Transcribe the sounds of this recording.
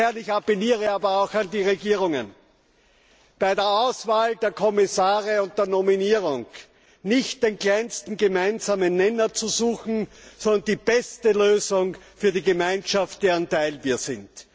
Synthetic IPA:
ɛɐnɪçapeliːʁəaːbɐaʊxandiːʁeɡiːʁ̞ʊŋə̰n | b̥aɪdeːɐaʊsv̥aːldeːɐkʰɔmɪsaːʁəʊnt̚d̥eːɐnominiːʁʊŋ | nɪçt̚d̥eːnklaɪnstn̩ɡəmaɪnzaːmənːɛnɐt͡suzuːxn̩sɔndɐndiːb̥ɛstəløːzʊŋfyːɐdiːɡəmãɪ̃nʃaft̚d̥eːɐantaɪlviːɐzɪnt

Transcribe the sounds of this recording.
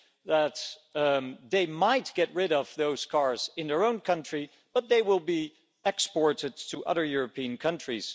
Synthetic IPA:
ðət̪ | ðeɪmaɪt̚ɡ̥ɛt̚ɹɪɾʌv̥ðoʊz̥kʰɑɹz̥ɨ̃nðə˞õʊ̃nkʰʌ̃nt͡ʃɹ̥i | b̥ʌt̪̚ðeɪwɪlˠbi | ɛkspɔɹɾɨd̚tʰəʔʌ̰ðə˞jʊɹɨpʰiɨ̃nkʰʌ̃nt͡ʃɹ̥iz̥

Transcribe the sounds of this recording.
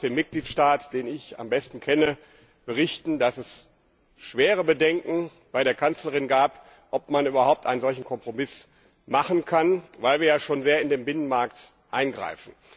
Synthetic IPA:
d̥eːmːɪt̚ɡ̥liːtʃtaːtd̥eːnɪça̰mbɛstn̩kʰɛnə | b̥əʁɪçtn̩dasɛs | ʃv̥eːʁ̞əbədɛŋkŋ̩ | b̥aɪɾeːɐkʰant͡slɐʁ̞ɪnɡaːp | ʔɔp̚manʔyːbɐhaʊp̚tʔaɪnzɔlçn̩kʰɔmpʁ̥omɪs | maχn̩kʰanvaɪlviːɐjaːʃoːnzeːɐɪndeːmbɪnənmaɐkt | ʔaɪnɡʁa̰ɪfn̩

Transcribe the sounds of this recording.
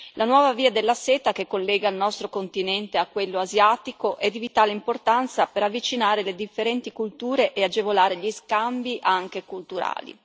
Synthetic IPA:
lanwɔːvaviːad̪elːaseːt̪akekːolːɛːɡailnɔst̪ɾokont̪inɛnt̪eakːwelːoazjaːt̪ikoʔɛd̪ːivit̪aːleimport̪ant̪sapeɾavːit͡ʃinaːɾeled̪ifːeɾɛnt̪ikult̪uːɾeʔead͡ʒevolaːɾeʎiskambiʔaŋk̟ekult̪uɾa̰ːlḭ

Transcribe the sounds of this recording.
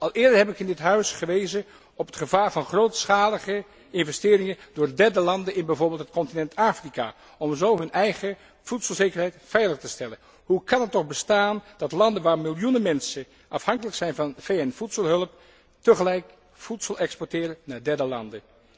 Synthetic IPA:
ɑlˠɪːɹdəɹɦɛpɪkɪndɪtɦœɥsχəʋejzə | ɔpətχəvaːɹvɑnχrowtsχaːləχə | ɪnvɛstɪːɾɪŋəndʊːɹdɛɹdəlɑndənɪnbɛjvʊːɹbɪːlˠt̚hətkɔntinɛntaːfrika̰ː | ɔmzowɦɵnʔɛjχə | v̥utsəlˠzejkəɹɦɛjtfɛjləχtəstɛlən | ɦukɑnətːɔχbəstaːnd̥ɑtlɑndənʋaːɹmɪlˠjunəmɛnsə | ʔɑfhɑŋkələksɛjnvɑnfejɛnfutsəlˠɦɵləp̚ | təχəlɛjk | futsəlˠɛkspɔɹtɪːɾənːaːɹdɛɹdəlɑ̰ndə

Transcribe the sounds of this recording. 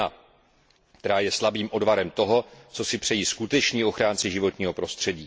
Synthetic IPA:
a | kt̪ɛɾaːjɛslabiːmʔo̞dvaɾɛmt̪o̞ɦo̞t͡so̞sɪpr̥ɛjiːskut̪ɛt͡ʃɲiːo̞xɾaːnt͡sɪʒɪvo̞t̪ɲiːɦo̞pɾo̞st̪r̝̥ɛɟiː

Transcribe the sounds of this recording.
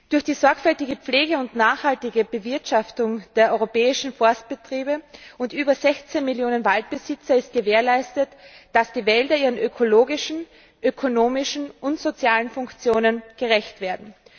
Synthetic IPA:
d̥ʊɐçd̥iːzɔɐkfɛltɪɡəp͡fleːɡəʊntnaːχhaltɪɡəbəvɪɐtʃaftʊŋd̥eːɐʔɔʏʁopɛːɪʃn̩fɔɐst̚b̥ətʁ̥iːbəʊntʔyːbɐzɛçt͡seːnmɪljoːnənvalt̚b̥əzɪt͡sɐɪst̚ɡ̥əveːɐlaɪstətd̥asd̥iːvɛldɐiːʁənʔøkʰoloːɡɪʃn̩ | ʔøkʰonoːmɪʃn̩ʔʊntz̥ot͡sjaːlənfʊŋkt͡sjoːnənɡ̥əʁɛçtv̥eːɐdn̩

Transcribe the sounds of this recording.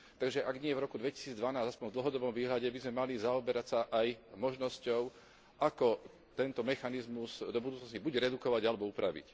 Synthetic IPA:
t̪aɡʒɛʔaɡɲɪɛvɾɔkud̪ʋɛci̥siːd͡zd̪ʋanaːzaspɔɲvd̪l̩ɦɔd̪ɔbɔmʋiːɦlaɟɛbizmɛmalizaɔbɛɾacsaʔajmɔʒnɔscɔʊ | ʔakɔ | t̪ɛnt̪ɔmɛxanizmuzd̪ɔbud̪uːt͡snɔscibuɟɾɛd̪ukɔʋaɟalɛbɔupɾaʋḭc

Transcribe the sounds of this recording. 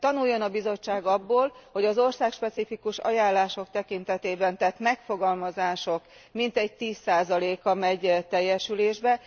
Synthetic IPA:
t̪ɒnujːo̞nɒbizo̞t͡ʃːaːɡɒbːoːlho̞ɟɒzo̞rsaːkʃpɛt̪sifikuʃɒ̰jaːlːaːʃo̞k̚t̪ɛkint̪ɛt̪eːbɛnt̪ɛt̪mɛkfo̞ɡɒlmɒzaːʃo̞k | mint̪ɛɟ̚t̪iːsːaːzɒleːkɒmɛɟt̪ɛjːɛʃyleːʒbɛ

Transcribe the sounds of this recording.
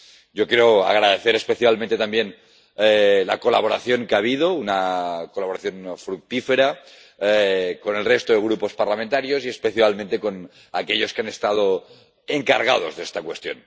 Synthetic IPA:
ɟ͡ʝokjeɾoa̰ɣ̞ɾaðeθeɾespe̞θjalmẽnt̪et̪ambjen | la̰kola̰β̞o̞ɾa̰θjo̞ŋkeaβ̞iðo̞unakolaβoɾaθjo̞nfɾuk̚t̪ifeɾa | ko̞ne̞lrest̪oðeɣɾupo̞spaɾlament̪aɾjosie̞speθjalmẽnt̪eko̞n | akeʎo̞skeane̞st̪að̞o | eŋkaɾɣ̞a̰ð̞o̞zðest̪akwe̞st̪jo̞̰n

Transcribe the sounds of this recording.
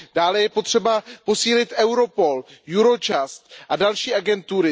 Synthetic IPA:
d̥aːlɛjɛpot̪r̝̥ɛbapo̞siːlɪt̪ʔɛwɾo̞po̞ljuɾo̞t͡ʃast̪ʔadalʃiːʔaɡɛnt̪uɾɪ

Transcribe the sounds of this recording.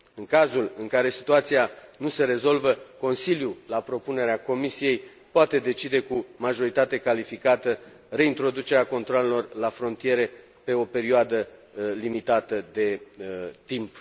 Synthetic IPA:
ɨŋkazulɨŋkaɾe̞si̥t̪uat̪sianuse̞ɾe̞zo̞lvəko̞nsiljulapɾo̞pune̞ɾeako̞misije̞j | poat̪e̞d̪e̞t͡ʃid̪e̞kumaʒo̞ɾit̪at̪e̞kalifikat̪ə | re̞int̪ɾo̞d̪ut͡ʃe̞ɾeako̞nt̪ɾoale̞lo̞rlafɾo̞nt̪ije̞ɾe̞ | pe̞o̞pe̞ɾioad̪əlimit̪at̪əd̪e̞t̪imp

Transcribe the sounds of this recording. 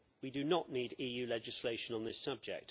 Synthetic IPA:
widənəʔniːdiːjʉːlɛd͡ʒɪsleɪʃə̃nə̃nðɪsʌb̚d͡ʒɛ̰k̚t

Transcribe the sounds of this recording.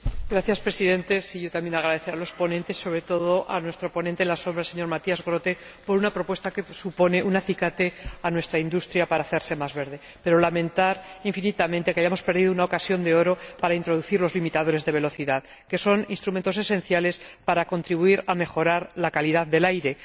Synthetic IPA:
ɡ̥ɾaθjaspɾe̞siðẽ̞nt̪e̞siʝo̞t̪amje̞naɣ̞ɾaðe̞θeɾalo̞spo̞nẽnt̪e̞si̥so̞βɾe̞t̪o̞ð̞o̞ʔanwe̞st̪ɾo̞po̞nent̪enlaso̞mbɾaelse̞ɲo̞ɾmat̪iazɣɾo̞t̪e̞ | po̞ɾunapɾo̞pwe̞st̪ake̞supo̞ne̞ʔunaθikat̪e̞anwe̞st̪ɾaind̪ust̪ɾjapaɾaːθe̞ɾse̞mazβe̞ɾðe̞ | pe̞ɾo̞lamẽ̞nt̪aɾiɱfinit̪amẽnt̪e̞keajamo̞spe̞ɾðiðo̞unao̞kasjo̞nd̪eo̞ɾo̞paɾaint̪ɾo̞ðuθiɾlo̞zlimit̪aðo̞ɾe̞zðe̞β̞e̞lo̞θiðað | ke̞so̞ninst̪ɾument̪o̞se̞sẽ̞n̟θjale̞spaɾako̞nt̪ɾiβuiɾame̞xo̞ɾaɾlakaliðaððe̞lajɾe̞

